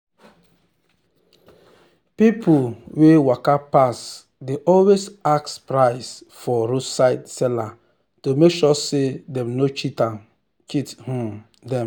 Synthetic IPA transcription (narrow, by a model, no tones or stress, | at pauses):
pipowewakapas | deʔɔlwesakspɾaɪsfɔɾusaɪtsɛla | tomekʃɔsedɛ̃mnot͡ʃita | t͡ʃithũm | dɛ̃m